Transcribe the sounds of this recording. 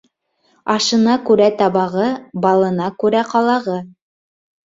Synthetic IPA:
ɑʃɤ̆nɑkʉɾæt̪ɑβɑʁɤbɑlˠɤ̆nɑkʉɾæqɑlˠɑʁɤ

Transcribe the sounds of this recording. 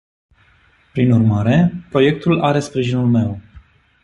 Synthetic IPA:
pɾinurmaɾe̞pɾo̞je̞k̚t̪ulʔaɾe̞spɾiʒinulme̞w

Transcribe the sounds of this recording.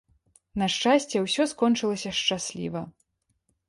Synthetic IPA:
nɐʂt͡ʂasʲt͡sʲɛwsʲɔskɔnt͡ʂɨlˠɐsʲɐʂt͡ʂasʲlʲḭvɐ

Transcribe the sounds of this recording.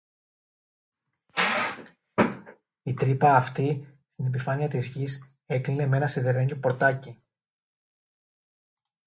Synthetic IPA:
it̪ɾipɐːft̪ist̪ine̞p̬ifɐniɐt̪izʝis | e̞kline̞me̞nɐseðe̞ɾeɲɟopo̞ɾt̪ɐci

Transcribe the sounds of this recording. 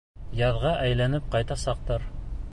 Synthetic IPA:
jɑðʁɑʔæjlænɘp̚qɑjt̪ɑsɑq̚t̪ɤɾ

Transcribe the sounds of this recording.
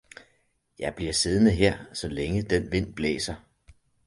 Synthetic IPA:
jɑ̈ɪb̥liɐ̰se̝ð̞ˠnəɦeɐ̰sɒ̽leŋəd̥enʋe̝n̰b̥lɛ̰ːsɐ

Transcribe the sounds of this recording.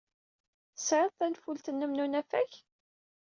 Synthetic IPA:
sʕəðˤθænfult̪ənːəmnunæfæç

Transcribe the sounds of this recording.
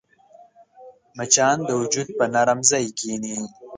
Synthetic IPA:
mat͡ʃɑːnd̪əwʊd͡ʒud̪̚pənaɾəmzajkiːni

